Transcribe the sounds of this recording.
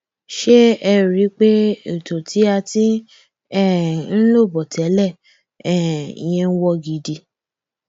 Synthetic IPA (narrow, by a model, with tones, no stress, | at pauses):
ʃe˦ɛ˧ɾi˨˦k͡pe˦e˨to˨tʰi˨˦a˧ti˦ | ɛ˦˨n̩˦lo˦˨bɔ˨tʰɛ˨˦lɛ˦˨ | ɛ̰˦˨j̃ɛ̃˧n̩˦wɔ˧ɡi˨di˧